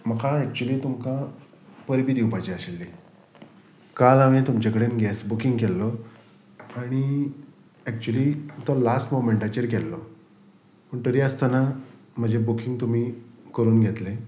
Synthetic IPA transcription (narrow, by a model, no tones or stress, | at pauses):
məkʰaɛk̚t͡ɕuəliːt̪umkã | pəɾbiːd̪iwpajt͡ɕiəɕelːi | kalaʋĩt̪umt͡ɕakəɽenɡʱɛsbukiŋɡkɛlːɔ | aɽ̃i | ɛk̚t͡ɕuəliːt̪ɔlasʈmomẽɳʈat͡ɕəɾkɛlːɔ | pəɳt̪əɾiːəst̪ana | m̤əd͡ʑebukiŋɡt̪um̤iːkəɾuːnɡʱet̪le